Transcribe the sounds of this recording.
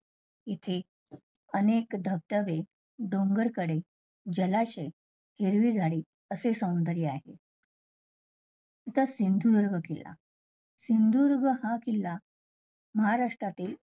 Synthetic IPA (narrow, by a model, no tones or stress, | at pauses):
it̪ʰe | ənekd̪ʱəb̚t̪əʋe | ɖoŋɡəɾkəɽe | d͡ʑəlaɕe | heɾʋiːd͡zʱaɽiː | əsesəw̃nd̪əɾiaɦḛ | it̪asind̪ʱuɾɡʱəkilːa̰ | sind̪ʱuɾɡəhãkilːa | məɦaɾaʂʈɾat̪iːl